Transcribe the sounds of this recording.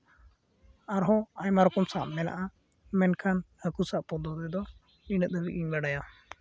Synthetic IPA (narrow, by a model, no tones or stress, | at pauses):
aɾɦɔaɲmaɾɔkɔmsamnɛna̰ʔa | mɛnkʰanhəkusaʔpɔd̪ɔd̪ɛd̪ɔ | inəʔ̪̚əbiʔiɲbaɖaja